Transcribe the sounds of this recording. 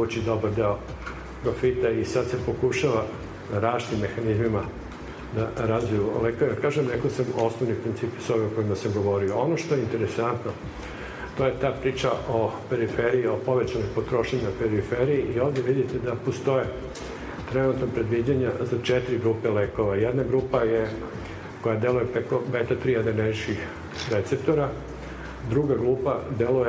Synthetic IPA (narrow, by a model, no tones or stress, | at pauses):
ut͡ɕid̪o̞baɾd̪eo | pɾo̞fit̪aisad̪se̞po̞kuʃaʋa | aɾaʃt̪imːe̞xanizmima | d̪aɾazʋijuleːkoʋejkaːʒemnekosamo̞snoʋnipɾint̪siːpisoβeoko̞imasamɡo̞ʋo̞ɾio̞onoʃt̪o̞jeint̪e̞ɾesant̪no | t̪oje̞t̪aːpɾiːt͡ʃaʔopeɾifeɾiio̞po̞ʋet͡ɕanojmpot̪ɾo̞ʃeɲaopeɾifeɾiiʔioːʋd̪eʋid̪it̪ed̪apost̪o̞je | t̪ɾenut̪nopɾe̞d̪ʋid͡ʑaɲazat͡ʃet̪iɾiɡɾuːpeleːko̞ʋajed̪naɡɾuːpaje | ko̞jad̪elujepɾekobet̪at̪ɾiad̪eneʃkix | ɾet̪se̞p̚t̪oɾa | d̪ɾuɡaɡɾuːpad̪eluje